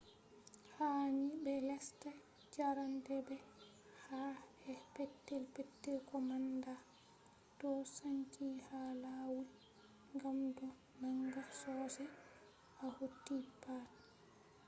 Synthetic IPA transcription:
hanibɛlɛsta | d͡ʒaɾantɛbɛ | hahɛpɛtːɛlpɛtːɛlkɔmanda | tɔsaɲkihalawul | ŋɡamdɔ | naŋɡasɔːsɛ | ahotːipat

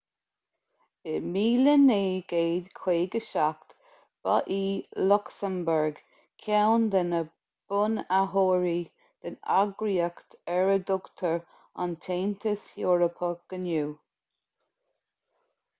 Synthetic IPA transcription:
b̥ɪmiːləneːɡ̥eːd̪kʰw̥eːɡəʃak̚t̪ | b̥a̰ʔiːlʊksəmbəɹɡ | kʰawnd̪ənə | b̥ʊnaɦoːɹi | d̪̥əna̰ɡɾiəkt̪ɛɹəd̪ʊkt̪ʰəɹ | a̰nt̪ʰeːnt̪ʰəsjoːɹəpʰəɡ̥ənuː

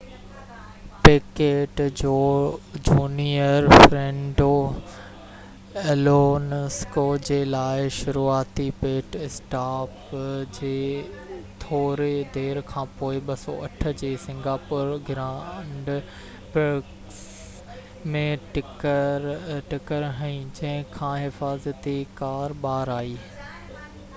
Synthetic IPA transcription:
peːkeːʈd͡ʑoːd͡ʑuːniəɾfɾẽːɳɖo | ɛloːnskod͡ʑeːlaːɪʃʊɾuaːt̪ipeːʈɪsʈaːpd͡ʑeː | t̪ʰoːɾed̪eːɾkʰãːpoːɪɓɐsɔ̰ʔɐʈʰə̆d͡ʑeːsɪ̃ŋɡaːpʊɾɡɪɾãːɳɖ | pɪ | mẽʈɪkəɾʈɪkəɾɦɐĩd͡ʑɐ̃ɦɪ̃kʰãːɦɪfaːzət̪ikaːɾɓaːɾaːiː

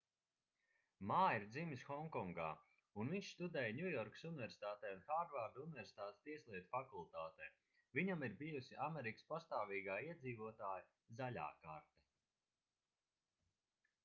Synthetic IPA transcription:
maːjiɾd̪zimisxɔŋkɔŋɡa̰ː | unviɲʲʃst̪ud̪ɛːjnʲujɔɾksunɪvɛɾsi̥t̪aːt̪ɛːunxaːɾvaɾd̪unʲvɛɾsi̥t̪aːt̪st̪iɛsʲlˠiɛt̪u̥fakulˠt̪aːt̪ɛj | viɲamiɾbijusiamɛɾikə̥spast̪aːviːɡaːiɛd̪ziːvuɔt̪aːja | zalʲa̰ːkaɾt̪ɛ

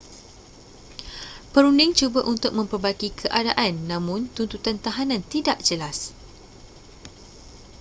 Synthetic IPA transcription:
pəɾundɪŋt͡ʃubəʔunt̪ʊk̚mə̃mpərbaɡikʰəʔadaʔanːãmʊ̃nt̪unt̪ut̪ant̪aɦanãnt̪idaʔd͡ʒəlas

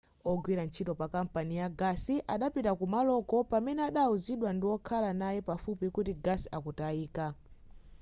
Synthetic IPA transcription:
ɔɡwiɾant͡ʃʰitɔpakam̩panijaɡasiʔaɗapitakumalɔkɔpamɛnɛaɗauziɗwandiwɔkʰalanajɛpafupikutiɡasiakutaiːka

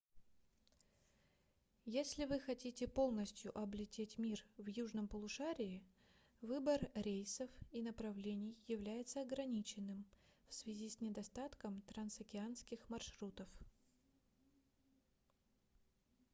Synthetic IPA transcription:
jesʲlʲɪvɨxɐtʲitʲɪpo̞lˠnəsʲtʲjʊʔɐblʲɪtʲetʲmʲirvjuʐnəmpəlˠʊʂaɾʲɪː | vɨbərɾʲejsəfinəpɾɐvlʲenʲɪjːɪvlʲæjɪt̪səɐɡɾɐnʲit͡ɕɪnːɨmfsvʲɪzʲisʲnʲɪd̪ɐst̪at̪kəmt̪ɾɐnsɐkʲɪanskʲɪxmɐrʂɾut̪əf

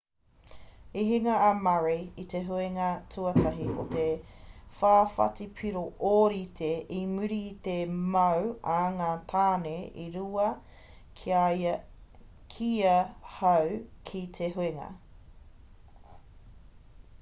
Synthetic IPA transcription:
iɦiŋɐːmaɹiit̪eɦueŋɐtʰuɐtʰɐɦiʔo̰t̪efaːfɐ̰tipʰiɾoʔoɾitʰeʔimʉɾit̪emɐwɐŋaːt̪ʰaːneʔiɾuɐ | kʰiajɐ | kʰiɐhɐwkʰit̪ʰeɦueŋɐ̰

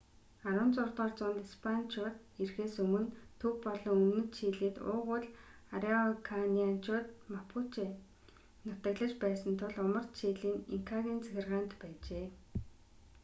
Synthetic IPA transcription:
aɾʊ̆ːnt͡sʊrt̪ʁɔːrt͡sʊnt̪ispʰant͡ɕʰʊːt̪ | irxeːsɵmɵ̆nt̪ʰɵkpɔɮɞ̆ŋɵmnɵ̆t̪ʃʰiːɮiːt̪ʊ̰ːʁʊɮaɾiɔkʰaniant͡ɕʰʊːt̪̚mapʰut͡ɕe | nʊt̪ə̆ɣɮə̆t͡ɕpæːsə̆nt̪ʰʊɮʊmə̆rt̪ʃiːɮiːniŋkʰaɣʲiːnt͡sæ̥xʲɪ̆rʁaːnt̪pæːt͡ɕeː

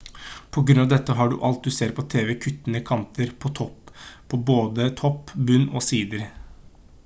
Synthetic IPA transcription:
pʰɔɡɾʉnɑʋd̪ɛt̪ːəɦɑɖʉ̰ʔɑlt̪̚d̪ʉseːɾpʰɔt̪ʰeːʋɛkʰʉt̪ːənəkʰɑnt̪ʰəɾpʰɔt̪ʰɔpːpʰɔboːd̪ət̪ʰɔpːbʉnːɔsiːd̪əɾ

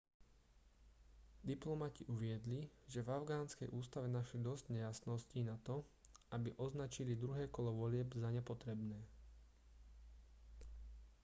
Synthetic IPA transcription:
d̪iplɔmaciʔuʋɪɛd̪liʒɛvaʊɡaːnskɛjʔuːst̪aʋɛnaʃlid̪ɔzɟɲɛjasnɔscinat̪ɔ | abiʔɔznat͡ʃilid̪ɾuɦɛːkɔlɔʋɔlɪɛbzaɲɛpɔt̪ɾɛbnɛː

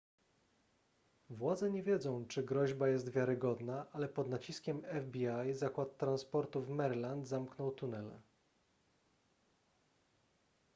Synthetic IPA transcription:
vwad̪zɛɲɛvʲjɛd̪zɔ̃w̃t͡ʂɘɡɾɔʑbajɛs̬t̪vʲjaɾɘɡɔd̪naʔalɛpɔd̪nat͡ɕiskʲɛmɛvbʲiajzakwat̪ːɾanspɔɾt̪uvmɛɾland̪zamknɔwt̪unɛl

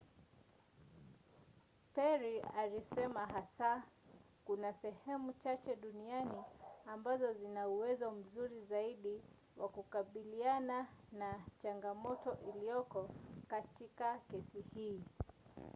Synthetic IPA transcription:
pɛɾialisɛmaɦasa | kunasɛhɛmut͡ʃat͡ʃɛɗunianiambazɔzinauwɛzɔm̩zuɾizaiɗi | wa̰kukaɓiliananat͡ʃaŋɡamɔtɔʔilijɔkɔkatikakɛsihiː

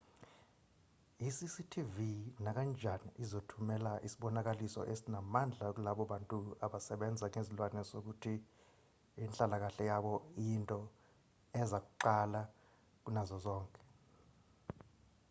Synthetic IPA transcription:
isisitʰivinak̬and͡ʒʱanḭʔizotʰumɛlaʔisiɓɔnak̬alisɔ̰ʔesinamand͡ɮʱak̬ulaɓɔɓantʼuaɓasɛɓɛnd͡zʱaŋezilwanɛzok̬utʰi | int͡ɬʼalak̬aɬɛjaɓɔiintʼɔ | ɛzak̬uǃala | k̬unazɔzɔːŋkʼɛ̥

